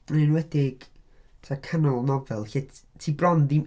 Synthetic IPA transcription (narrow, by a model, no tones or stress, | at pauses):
nɪnwɛdɪɡ̥ | tʰakʰənɔlˠnɔvɛlˠɬɛttʰiːbrɔndin